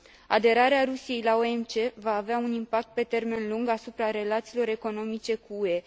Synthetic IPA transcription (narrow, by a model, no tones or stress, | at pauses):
a̰d̪e̞ɾaɾeaɾusije̞jlao̞e̞mt͡ʃe̞vaːveaunimpak̚t̪̚pe̞t̪e̞rme̞nluŋɡasupɾaɾe̞lat̪siːlo̞ɾe̞ko̞no̞mit͡ʃe̞kuue̞